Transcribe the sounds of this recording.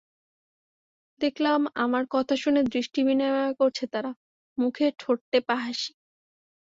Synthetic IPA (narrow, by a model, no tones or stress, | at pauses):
d̪ekʰlamamaɾkɔt̪ʰaʃuned̪ɾiʃʈibinaakoɾt͡ɕʰet̪aɾa | mukʰeʈʰoʈ̚t̪epaɦaʃi̥